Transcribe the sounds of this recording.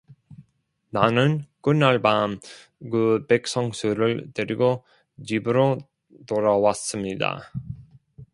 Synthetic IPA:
nanɯnk͈ɯnaɭbam | kɯpek̚s͈ʌŋsʰuɾɯɭteɾiɡo | t͡ɕibɯɾo | t̪oɾawas͈ɯmɲida̰

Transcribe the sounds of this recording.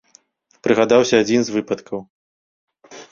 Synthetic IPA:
pɾɨɣad̪awsʲɐad͡zʲinzvɨpɐt̪kɐw

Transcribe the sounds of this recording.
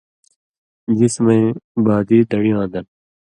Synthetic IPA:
d͡ʒɪsmẽːbaːd̪iːd̪ɐɽiãːd̪ɐn

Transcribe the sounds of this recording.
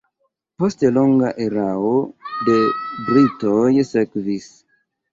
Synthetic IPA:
po̞stloŋɡaʔe̞ɾao̞de̞bɾitojse̞kvis

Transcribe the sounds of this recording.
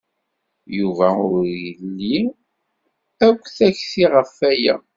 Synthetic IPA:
juvæʊɾjəlːi | ækʷːθæçθiʁəfːæjæ̰

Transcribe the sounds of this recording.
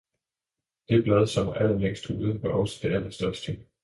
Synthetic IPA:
d̥e̝b̥lɛð̞ˠsɒ̽mʔæl̰əmeŋ̰sd̥uðˠʋɑʔɒ̽sə̥d̥e̝æl̰ɐsd̥ɶɐsd̥ə

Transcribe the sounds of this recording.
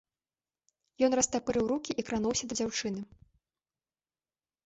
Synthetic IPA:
jɔn̪rɐst̪apɨɾɨwɾukʲiʔikɾanuwsʲɐd̪ɐd͡zʲawt͡ʂɨnɨ

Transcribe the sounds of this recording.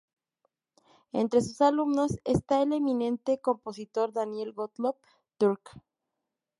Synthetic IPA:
e̞̰nt̪ɾe̞susalumno̞sest̪aele̞mĩnẽ̞nt̪e̞ko̞mpo̞sit̪o̞ɾðanje̞lɡot̪lop̚ | t̪uɾk

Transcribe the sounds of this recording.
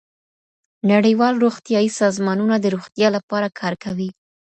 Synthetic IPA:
naɽəjwɑlɾoxt̪jɑisɑzmɑnunad̪əɾoxt̪jɑlapɑɾakʰɑɾkawi

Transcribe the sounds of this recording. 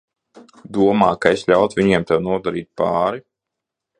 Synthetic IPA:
d̪uɔmaːkaeslʲawt̪ʋʲiɲiɛmt̪ɛwnuɔd̪aɾiːt̪̚paːɾi

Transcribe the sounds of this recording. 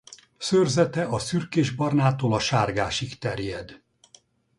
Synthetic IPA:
sørzɛt̪ɛʔɒsyrkeːʒbɒrnaːt̪oːlɒʃaːrɡaːʃikt̪ɛrjɛd̪

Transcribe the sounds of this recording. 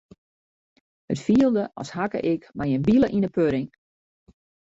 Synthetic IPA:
hətfiəlˠdəʔɔ̰shakə̰ʔɪkmajənbilˠəʔinəpøɾɪŋ

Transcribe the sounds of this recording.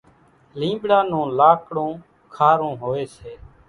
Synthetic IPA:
lĩːɓɽaːnõːlaːkɽõː | kʰaːɾõːɦoːeːseː

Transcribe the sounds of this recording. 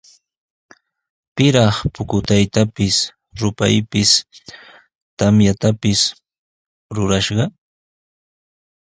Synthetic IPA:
pɪɾɑχpʊkʊt̪ajt̪apɪs | ɾʊpajpɪs | t̪amjat̪apɪs | ɾʊɾaʃɢɑ

